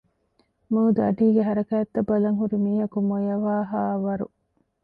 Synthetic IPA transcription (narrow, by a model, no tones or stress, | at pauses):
muud̪uɐɖiːɡeɦɐɾɐkæːɐt̪ːɐbːɐlɐŋɦuɾimiːɦɐkumojɐʋaːɦaːʋɐɾṵ